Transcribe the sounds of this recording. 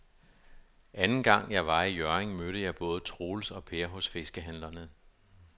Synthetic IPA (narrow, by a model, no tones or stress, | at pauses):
ʔænn̩ɡ̥ɑ̈ŋ̰jɑ̈ɪʋɑ̈ijɶɐeŋmøɾ̥əjɑ̈ɪb̥ɔ̽ːð̞̩ˠt͡sʰʁo̝ːlsɒ̽pʰe̝ːɐɦɔ̽sfe̝sɡ̥əɦænlɐnə